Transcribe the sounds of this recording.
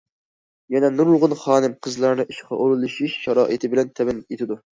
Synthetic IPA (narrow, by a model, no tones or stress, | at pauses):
jɛnɛnuɾlˠʁʊnχɑːnɨmqʰəzlˠɑɾnɨʔiʃqʰɑ̰ʔoɾulˠɨʃiʃʃɑɾɑ̰ːʔit̪ʰɪbɪlɛnt̪ʰɛbɪnet̪ʰɪd̪u